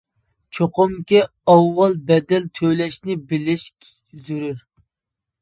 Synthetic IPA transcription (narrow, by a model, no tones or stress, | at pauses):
t͡ʃʰoqʊmkʲi | ɑwːɑlˠbɛd̪ɛlt̪ʰøwlɛʃnɪbɪlɪʃkʲʰ | zuɾyɾ